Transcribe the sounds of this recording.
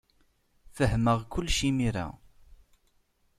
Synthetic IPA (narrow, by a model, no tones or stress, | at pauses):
fəɦməʁkʷʊlːʃimiɾa̰